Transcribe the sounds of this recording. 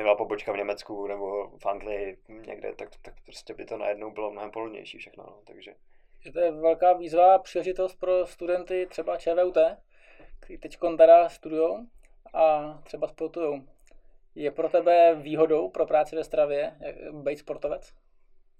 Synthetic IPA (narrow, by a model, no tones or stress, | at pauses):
ɛvlapobot͡ʃkavɲɛmɛt͡skunɛbofand̪lɪɪɲɛ̰ɡdɛ̰t̪akt̪ak̚pɾo̥scɛbɪt̪ona̰jɛdnowbɪlomnoɦɛmpolodɲɛ̰jʃiːfʃɛxno̰not̪aɡʒɛ | ɛt̪ojɛvɛlkaːviːzvapr̝̥iːlɛʒɪt̪ost̪̚pɾo̞st̪udɛnt̪ɪt̪r̥ɛbat͡ʃɛːvɛːut̪ɛː | kt̪ɛɾiːt̪ɛcko̞nt̪adast̪udʊjow | ʔat̪r̥ɛbaspoɾt̪ujow | jɛpɾo̞t̪ɛbɛviːɦo̞do̞wpɾo̞pɾaːt͡sɪvɛst̪ɾavjɛbɛjt̪spo̞ɾt̪ovɛt͡s